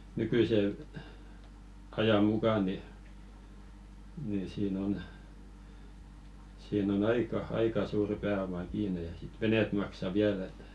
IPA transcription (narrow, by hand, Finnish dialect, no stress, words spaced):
nykyˑse ɑjɑ mukɑ ni ni siːn on siːn on ɑikɑ ɑikɑ suːrĭ pæːomɑ kiːne jɑ sit ʋeneˑt mɑksɑ ʋiæl et